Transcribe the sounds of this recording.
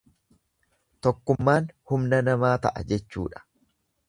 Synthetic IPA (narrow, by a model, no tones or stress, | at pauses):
t̪ɔkːʊmːaːnhʊmnɐnɐmaːt̪ɐ̰ʔɐ̰d͡ʒɛt͡ʃːṵːᶑɐ̥